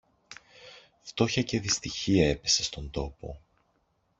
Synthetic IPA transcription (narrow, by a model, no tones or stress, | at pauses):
ft̪o̞çɐce̞ðist̪içiɐe̞pe̞se̞st̪o̞nd̪o̞po̞̰